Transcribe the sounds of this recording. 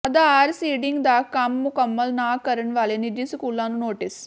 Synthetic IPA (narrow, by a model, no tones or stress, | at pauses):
ɐd̪aaːɾsiːɖiŋɡd̪aːkːamːukɐmːɐlnaːkɐɾɐɳʋaːlenid̪isukulːaːnunoːʈis